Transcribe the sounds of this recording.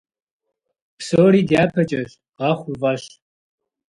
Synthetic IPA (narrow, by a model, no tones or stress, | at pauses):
psoːɾiːdaːpʰɐt͡ʃʼɐɕ | ʁɑχʷʊvɐɕ